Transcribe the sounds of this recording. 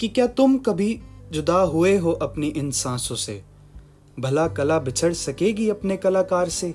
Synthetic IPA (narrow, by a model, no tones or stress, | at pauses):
kikjaːt̪ʊmkɐbʱid͡ʒʊd̪aɦʊeɦoʔɐpniʔɪnsãːsõsḛː | bʱɐlakɐlabɪt͡ʃʰəɽsɐkeːɡiɐpnekɐlaːkaːɾseː